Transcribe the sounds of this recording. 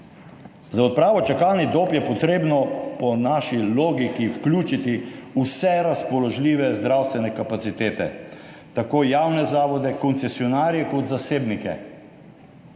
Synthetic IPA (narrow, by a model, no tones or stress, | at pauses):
zaɔt̪̚pɾaːʋɔt͡ʃakalnid̪oːpjɛpɔt̪ɾeːbnɔpɔnaʃiloːɡikiwklʲuːt͡ʃit̪iusɛɾaspɔlɔʒlʲiːʋɛzd̪ɾawst̪ʋɛnɛkapat̪sit̪eːt̪ɛ̰ | t̪akoːjawnɛzaːʋɔd̪ɛkɔnt̪sɛsiɔnaːɾjɛkɔt̪zaseːbnikɛ̰